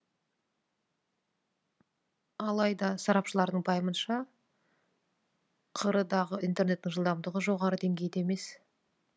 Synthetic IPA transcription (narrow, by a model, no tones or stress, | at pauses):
ɑlˠɑjd̪ɑsɑɾɑpʃəlˠɑɾd̪əɴbɑjəmənʃɑ | qʰəɾəd̪ɑʁəijnt̪e̞ɾne̞t̪ːɪŋʒəlˠd̪ɑmd̪əʁəʒo̞ʁɑɾəd̪e̞ŋɡʲe̞jɪd̪eeme̞s